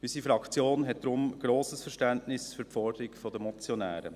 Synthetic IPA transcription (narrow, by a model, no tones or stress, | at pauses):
ysifɾɑkt͡sjoːnɦɛt̚d̥̪ɾʊmɡ̥ɾoːsəsfəɾʃtæntnɪsfyɾpfɔɾdəɾikfɔd̪əmɔt͡sjɔnæ̰ːɾə̰